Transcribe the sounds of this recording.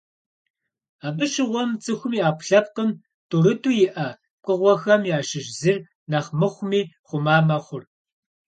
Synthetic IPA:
aːbɨʃɪʁʷɔmt͡sʼɨxʷʊmiːaːpʰɬɐp̚qəm | tʰʼuɾɨtʰʼuːjɪʔɐ | kʷʼəʁʷɔxɐmjaːʃɪʒzɨr | nɐχmɨχʷʊmiːχʷʊmaːmɐχʷʊr

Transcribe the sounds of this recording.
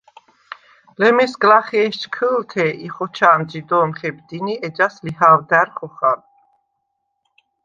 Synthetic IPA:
lɛmɛsɡlaχɛɛʃt͡ʃkʰəlt̪ʰɛʔiχɔt͡ʃʰaːmd͡ʒid̪ɔːmχɛbd̪iniɛd͡ʒaslihawd̪æɾχɔχal

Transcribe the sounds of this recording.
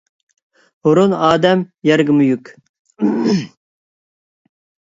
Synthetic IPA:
hʊɾunɑːd̪ɛmjɛɾɡʲɪmujykʲ

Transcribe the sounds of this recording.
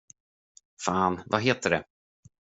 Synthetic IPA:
faːnvaɦeːt̪əɖɛ̰

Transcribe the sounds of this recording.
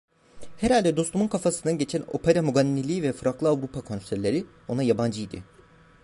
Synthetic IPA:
heɾalʲd̪ɛd̪o̞st̪ʰumunkʰafasɯnd̪aɟe̞t͡ʃʰæno̞̰pʰeɾamuɡanʲːilʲiːvɛfɯɾaklˠɯavɾupʰakʰo̞nsæɾʲlʲe̞ɾi | o̞najaband͡ʒɯjd̪ɪ̰

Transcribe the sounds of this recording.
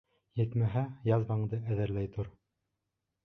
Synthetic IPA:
jɘ̆t̪mæɦæjɑzbɑɴd̪ɤæðɘ̆ɾlæjt̪oɾ

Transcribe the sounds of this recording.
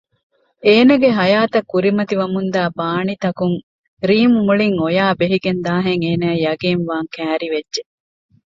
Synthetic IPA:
eːnɐɡeɦɐjaːt̪ɐkːuɾimɐt̪iʋɐmund̪aːbaːnit̪ɐkuŋ | ɾiːmumuɭiŋojaːbeɦiɡend̪aːɦeŋeːnæːjɐɡeːnʋaːŋkæːɾiʋedʒe

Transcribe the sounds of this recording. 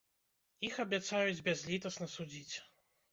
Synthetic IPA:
ixɐbʲat̪sajud͡zʲbʲɛzʲlʲit̪ɐsnɐsud͡zʲit͡sʲ

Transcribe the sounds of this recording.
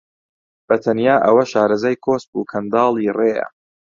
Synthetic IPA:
b̥ɐt̪ʰɐnjaːʔɐwɐʃaːɾɐzaːjkʰoːs̚buːkʰɐnd̪ɑːlˠiːreːjɐ̰

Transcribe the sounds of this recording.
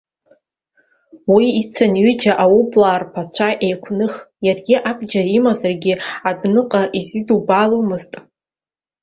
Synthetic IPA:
wiit͡sʰanɥʏd͡ʒaʔawubʼlaːrpʰat͡ɕʷʰaʔejkʷʰnɨχjarɡʲiʔabʼd͡ʒaimazarɡʲɪadnɨqʼaʔizidubalomɨztʼ

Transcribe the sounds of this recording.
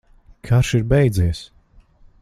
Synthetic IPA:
kʰaɾʃiɾbɛjd̪ziɛs

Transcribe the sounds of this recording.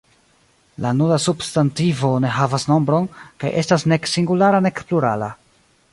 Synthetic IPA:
lanulasubstantivo̞ne̞ɦavasno̞mbɾo̞nka̰jʔe̞stasne̞ksiŋɡulaɾane̞kpluɾa̰la̰

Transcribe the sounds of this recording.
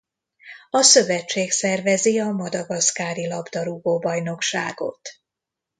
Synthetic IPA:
ɒsø̞vɛt͡ʃːeːksɛrvɛziɒmɒd̪ɒɡɒskaːɾilɒbd̪ɒɾuɡoːbɒjno̞kʃa̰ːɡo̞̰t̪

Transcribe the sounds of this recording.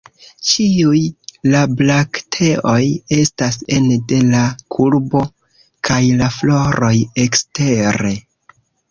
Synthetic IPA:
t͡ʃiujlablaktʰe̞ʔo̞je̞stase̞nde̞lakʰuɾbo̞ | kʰajlaflo̞ɾo̞jekste̞ɾe̞

